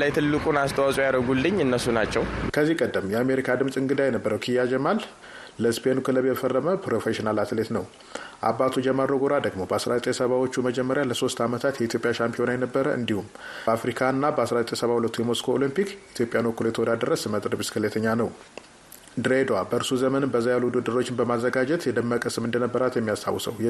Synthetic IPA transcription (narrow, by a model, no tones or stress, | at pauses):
lajt̪ʰɨlːɨkʼunast̪ʰəwasʼojaɾəɡuld̪ɨɲːɨnːəsunat͡ʃːɛwkʰəzːikʼəd̪ːəmjɛame̞ɾikʰad̪ɨmsʼɨŋɡɨd̪ajɛnəbːəɾəwkʰijːad͡ʒɛmal | ləspʰenukʰɨləβeɛfərːəməpʰɾofeʃinalat̪ʰɨlet̪nəw | ʔa̰bːat̪ʰud͡ʒɛmːəɾoɡoɾad̪əɡmo̞bəasɾazət̪ʼesəβawot͡ʃːuməd͡ʒɛmːəɾjaləso̞st̪amət̪ʰat̪jɛit̪ʰjo̞pʼjaʃampʰio̞najɛnəbːəɾəʔɨ̰nd̪ihum | afɾikʰanːabəasɾazət̪ʼesəβahulət̪ːujɛmoskʰoolimpikit̪ʰjopʼjanəkːuljɛt̪ʰəwɔd̪ad̪ərːəsmət̪ʼɾəbɨskʰɨlet̪ʰəɲːanəw | d̪ɾed̪owabəɨɾsuzəmənɨnbəzajalːuud̪ɨd̪ːɨɾo̞t͡ʃːɪnbəmazːəɡad͡ʒɛt̪jɛd̪əmːəkʼəsɨmɨnd̪ənəbːəɾat̪jɛmːijast̪ʰa̰wːsə̰wj